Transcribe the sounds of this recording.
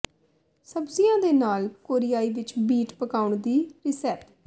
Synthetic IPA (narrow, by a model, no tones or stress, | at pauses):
səbzijãːd̪eːnaːlkoːɾijaːiːʋɪt͡ʃbiːʈpəkaːʊɳd̪iːɾɪsɛːp